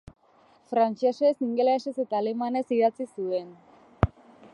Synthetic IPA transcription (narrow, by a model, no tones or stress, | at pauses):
fɾant͡ʃesesiŋɡelaese̞se̞t̪aːle̞mane̞siðat͡sisue̞n